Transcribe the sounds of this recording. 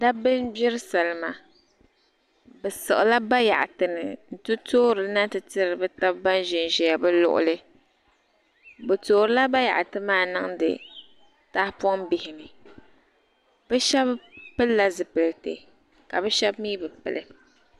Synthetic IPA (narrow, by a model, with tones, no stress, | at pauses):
da˦bɨ˦nbɪ˦ɾɨ˦sa˨lɨ˨ma˨ | bɛ˨sɨ˨ʔɨ˨la˦ba˦ja̰˨ʔa˨tɨ˨nɨ˨n̩˨tɨ˦toː˦ɾɨ˨˦na˦tɨ˨tɨ˦ɾɨ˨bɨ˦ta˦bba˦n˦ʒɪ˨n˨ʒɛ˨ja˨bɨ˦lʊ̰˦ʔʊ̰˦lɨ˦ | bɨ˨toː˨ɾɨ˦la˦ba˦ja̰˨ʔa˨tɨ˦maː˦nɨ˦ŋ˦dɨ̰˨ | ta˦hpɔ˦ŋbɪ˨hɪ˨nɨ˨ | b̥ɛ˦ʃɛ˦bpɨ˦lla˦zɨ˨pɨ˨ltḛ˨ | ka˨bɛ˦ʃɛ˦bmiː˦bɨ˨pɨ̰˨lʔɨ̰˦